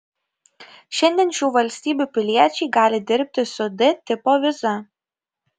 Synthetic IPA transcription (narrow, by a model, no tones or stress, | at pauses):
ʃʲɛnʲd̪ʲiɛnʃʲuːʋɐlʲsʲt̪ʲiːbʲuːˑpʲɪlʲiɛt͡ʃʲɛɪɡɑːlʲɪd̪ʲɪɾʲp̚ʲt̪ʲɪsʊd̪ʲɪt̪ʲɪpoːʋʲɪzɐ